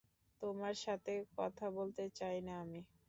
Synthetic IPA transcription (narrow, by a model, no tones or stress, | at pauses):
t̪omaɾʃat̪ʰekɔ̰t̪ʰabolt̪et͡ɕajnaami